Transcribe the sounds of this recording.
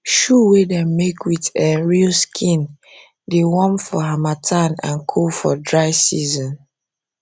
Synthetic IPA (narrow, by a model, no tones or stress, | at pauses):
ʃuwedɛ̃mmekwitɛ̃nɹilskʰĩn | dewɔ̃mfɔɦamatʰanã̰nkʰofɔdɹaɪsizɔ̃n